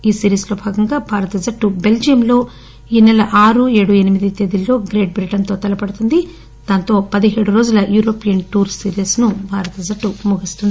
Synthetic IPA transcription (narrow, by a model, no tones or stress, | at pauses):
iːsiːɾiːslo̞ːbʱaːɡɐŋɡaːbʱaːɾɐt̪ɐd͡ʒɐʈːube̞ld͡ʒiɐmlo̞ː | iːnɐlɐʔaːɾueːɽuenimid̪it̪eːd̪ilːo̞ːɡɾe̞ːʈ̚bɾiʈɐnt̪o̞ːt̪ɐlɐpɐɽut̪und̪i | d̪̥ɐnt̪o̞ːpɐd̪iɦe̞ːɽuɾoːd͡ʒulɐjuːɾo̞ːpijɐnʈuːɾsiːɾisnubʱaːɾɐt̪ɐzɐʈːumuɡist̪und̪i